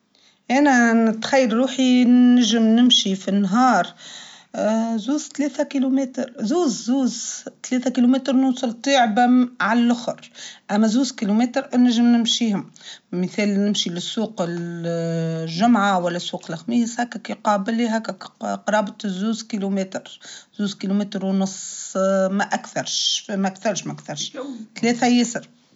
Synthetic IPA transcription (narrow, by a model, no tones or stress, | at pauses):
ʔænænɪt̪xæjːəɾɾuːħinæʒɪmnɪmʃifinːɦɑːɾˤ | zuːzt̪lɛːθækilumɛːt̪ɾzuːzzuːzt̪lɛːθækilumæːt̪ɾˤnuːsˤɑlt̪ˤiːʕbæmʕallʔʊxʊɾʔæmːæzuːzkilumɛːt̪ɾʔnæʒɪmnɪmʃiːhʊmməθɛːlnɪmʃilɪsːuːqɪl | ʒʊmʕawælːæsːuːqlxmɪjshæːkːækiqɑːbɪliɦækːæqɾˤɑːbt̪ˤzuːzkilumɛt̪ɾzuːzkilumeːt̪ɾwnʊsˤmæʔækθɑɾˤʃmæʔækθɑɾˤʃmæʔkθɑɾˤʃt̪lɛːθæjɪsəɾ